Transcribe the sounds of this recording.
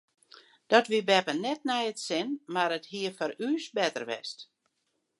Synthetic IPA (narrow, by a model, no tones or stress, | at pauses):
d̥ɔtʋibɛpənɛtnɛjətsɪnmaɾəthiəfɔɾyːsbɛtə̰rʋɛ̰st